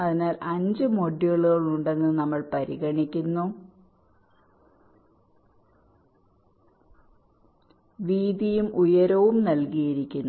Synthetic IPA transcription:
ɐðinaːlɐɲd͡ʑɨmoɖːjoɭuɣɐɭuɳɖe̞nːɨnɐmːɐɭpɐɾiɣɐɳikʲːunːu | ʋiːd̪ijumʔujɐɾɐʋumnɐlkijiɾikʲːunː

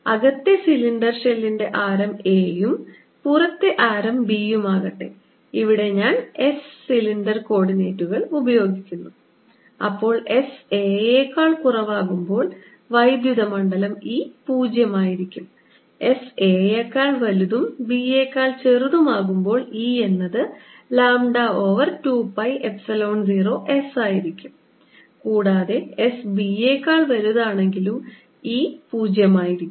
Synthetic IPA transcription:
ɐɣɐt̪ːesiliɳɖɐrʂelːinde̞ʔaːɾɐmeːjum | purɐt̪ːeʔaːɾɐmbijumaːɣɐʈːḛ | iʋiɽe̞ɲaːne̞sːiliɳɖɐrko̞ːɽineːtːuɣɐɭubɐjo̞ːɡikʲːunːu | ɐ̰pːo̞ːɭe̞se̞ːeːkːaːɭkurɐʋaːɣumbo̞ːɭ | ʋɐjd̪juðɐmɐɳɖɐlɐmiːpuːd͡ʑjɐmaːjiɾikʲːum | e̞se̞ːekːaːɭʋɐluðumbieːkːaːɭt͡ɕeruðumaːɣumbo̞ːɭiːe̞nːɐðɨ | laːmɖao̞ːʋɐrtuːpɐjepsɐlo̞ːɳziːro̞ːʔesaːjiɾikʲːum | kuːɽaːðe̞esbieːkːaːɭʋɐluðaːɳe̞ŋɡilum | iːpuːd͡ʑjɐmaːjiɾikʲːm

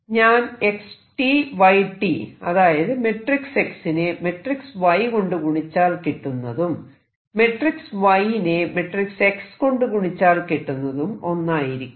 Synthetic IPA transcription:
ɲaːne̞ksʈiʋɐjʈiɐðaːjɐðɨme̞ʈrikse̞ksineme̞ʈriksʋɐjko̞ɳɖukuɳit͡ɕːaːlkeʈːunːɐðum | me̞ʈriksʋɐjineme̞ʈrikse̞ksko̞ɳɖukuɳit͡ɕːaːlkeʈːunːɐðumo̞nːaːjiɾikʲː

